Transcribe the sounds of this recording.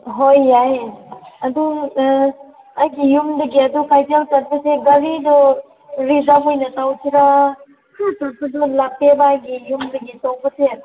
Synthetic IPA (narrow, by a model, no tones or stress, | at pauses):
ɦojːajɐdu | ajɡijumdɐɡiɐdukʰajdaltɐɾbɐseɡɐɾidɔ | ɾizamojnɐtawtʰiɾa | kʰɯtaɾsʰudulapebaːjɡijumdɐɡitok̚bɐse